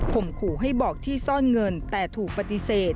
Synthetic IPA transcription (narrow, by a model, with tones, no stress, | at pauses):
kʰo˨˩mkʰuː˨˩˦ɦa˥˩jbɔː˨˩k̚t̪ʰiː˥˩sɔː˥˩nŋɤ˧nt̪ɛː˨˩t̪ʰuː˨˩k̚pa˧t̪i˧seː˨˩t̪̚